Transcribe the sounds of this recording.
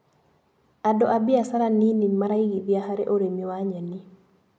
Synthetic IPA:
adɔʔabiasaɾaninimaɾaiɡibjaɦaɾɛʔoɾemiwaɲani

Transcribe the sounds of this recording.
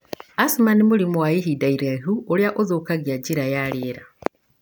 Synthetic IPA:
asumanimulimuwaiɦidaiɾeɦuoljaʔozokaɡjaɟiɾajaleɾa

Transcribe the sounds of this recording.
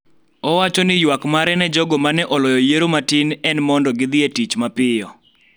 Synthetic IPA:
ɔwat͡ʃɔnɪjwakmaɾɛnɛd͡ʒɔɡɔmanɛʔɔlɔjɔjeɾomatinɛnmɔndɔɡɪd̪ɪetit͡ʃmapɪjɔ

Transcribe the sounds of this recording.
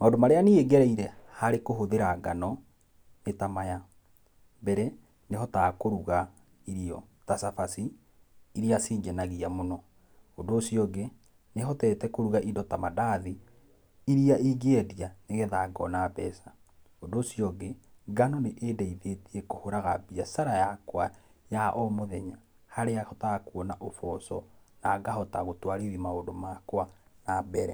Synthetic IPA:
maõndomaɾeanieɡɛɾɛiɾɛhaɾekoɦoðeɾaɡa̰nɔ | etamaja | mbɛɾɛ | neɦɔtakoɾuɣa | iɾiɔ̰ | tasafasiː | ɾiasiːɲɡɛnaɣiamonɔ | ondoːsjɔɡe | neɦɔtɛtɛkoɾuɣaʔindɔtamadaði | iɾiaiɡeɛdianeɣeðaɡɔnabɛsa | ondoːsijɔɡe | ɡanɔneʔeːdɛiðetiɛkohoɾaɣa̰biasaɾajakwa | jaʔɔmoðɛɲa | haɾeahɔtakuɔnaʔofɔsɔnaɡahɔtaɣotwaɾiðimaondomaːkwanabɛɾɛ

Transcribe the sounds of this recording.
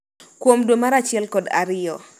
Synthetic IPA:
kwomdwomaɾat͡ʃɪɛlkɔda̰ɾɪjɔ

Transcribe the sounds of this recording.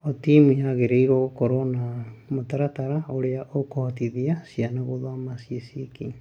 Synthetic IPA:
otimijaɣeɾeiɾoɣokoɾonamotaɾataɾaoɾeaʔokohatiðiasianaɣoðwamasiesieki

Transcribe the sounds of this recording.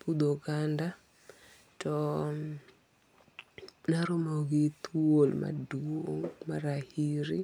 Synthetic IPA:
pud̪oɡanda | tɔ | naɾomoɡit̪ʰuolma̰dumaɾahiɾi

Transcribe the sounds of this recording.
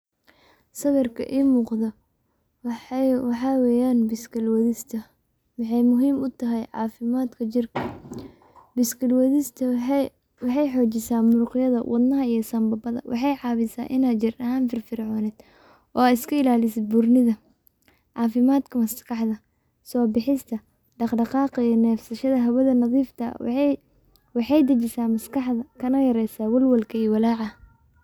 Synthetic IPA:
sɐɣɐrkʰɐ̰ʔiːmuːqðɔ | wɑħɑːwɛːjaːnbɪskɐlwɐðɪst̪ʰɐ | wɑħɑjmʊɦiːmʊt̪ʰɐɦɛjʕɑ̰ːfɪmaːd̪kʰɐt͡ʃɪrkʰɐ | bɪskʰɐlwɐðɪst̪ʰɐ | wɑħɑjħɔːt͡ʃɪsaːmʊrqɪjɐðɐ̰wʔɑ̰d̪nɐɦɐijɞsɐmbɐbɐðɐ̰wʔɑħɑjʕɑːβɪsa̰ːʔɪnaːd̪t͡ʃɪrɐɦaːnfɪrfɪɾʕɔːnɛːd̪ | ʔɔ̰ːaːɪskʰɐɪlaːlɪsɪd̪̚bʊrnɪðɐ | ʕɑːfɪmaːd̪kʰɐmɐskʰɑħðɐ | sɔːbɪħɪst̪ʰɐ | ɖɑqɖɑqɑːqjɔnɛːfsɐʃɐðɐɦɐwɐðɐnɐðiːft̪ʰɐ̰ | wɑħɑjd̪ɐt͡ʃɪsaːmɐskɑħðɐkʰɐnɐjɐɾɛjsaːwɐlwɐlkʰɐiwɑlaːʕɑ

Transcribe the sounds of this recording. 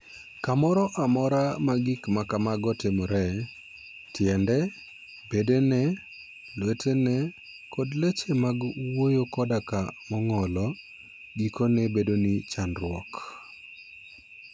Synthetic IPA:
kamɔɾɔʔamɔɾamaɡikmakamaɡɔtemɔɾɛ | tjɛndɛ | bedenɛ | lwetʰenɛ | kʰodlet͡ʃemaɡwojokɔdakamɔŋɔlɔ | ɡikonɛbedonɪt͡ʃanɾwɔk

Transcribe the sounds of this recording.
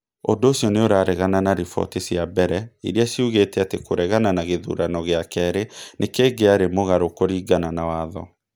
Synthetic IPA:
o̰ndoːɕjɔneoɾaːɾɛɣananaɾifɔ̰tesjabɛɾɛḭɾeaʃiuɣetɛatekoɾɛɣananaɣeðṵɾanɔɣeakɛɾenʔekeːɡeaɾemoɣaɾokoɾiːɡananawaðɔ

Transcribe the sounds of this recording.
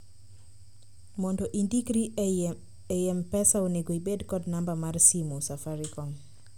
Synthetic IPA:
mɔndɔʔindikɾi | ejɛmpɛsaoneɡoibedkɔdnambamarsimusafaɾikɔŋ

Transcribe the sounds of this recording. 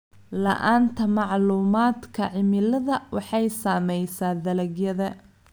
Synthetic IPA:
lɐ̰ʔaːnt̪ʰɐmɑʕluːmaːd̪kʰɐʕɪmɪlɐðɐwɑħɑjsaːmɛjsaːd̪ɐlɐɡjɐðɐ

